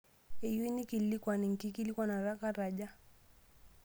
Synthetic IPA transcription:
ɛji˦ni˦kilikwani˨ŋ̩˨ki˦ki˦li˦kwana˨ɾa˦ka˦ɾaʄa˦

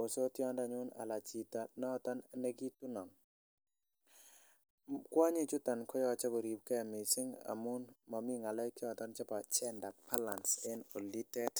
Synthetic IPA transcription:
o˨so˦t̪jɔ˦nda˨ɲʊ˦na̰˨la˨t͡ʃi˨t̪a˨nɔ˦t̪ɔ˦nnɛ˦ɡi˦t̪u˦nɔ˨ŋ | kwa˦ɲi˦t͡ʃu˦t̪a˨nkɔ˦jɔ˦˨t͡ʃa˦ɡo˨ɾi˨p̚kɛ˦a˨mi˨sɪ˦ŋa̰˨mu˦nma˨mi˦ŋa˨la˦jki˦ɔ˨t̪ɔ˦nt͡ʃa˦pa˨t͡ʃɛ˦nda˨pʰa˦la˨nse˦no˨li˦tɛ˦t

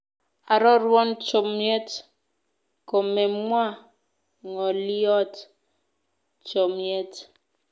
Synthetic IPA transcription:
a˨ɾɔ˦ɾwɔ˦nt͡ʃo˨mje˦t | ko˨me˨mwa˦ | ŋɔ˨li˦ɔ˦t | t͡ʃo˨mje˦t

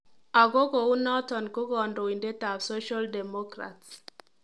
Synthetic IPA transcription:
a˨ɡo˦ɡo˨u˦nɔ˦tɔ˨nko˦ɡɔ˨ndo˨i˨nde˦ta˨bso˦ʃa˦ldɛ˨mɔ˦kɾa̰˨ts

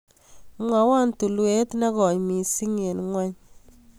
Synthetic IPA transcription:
ŋwa˨wa˦ntu˨lwe˦tna˦kɔ˨ɲmi˨si˦ŋe˨nŋwa˦ɲ

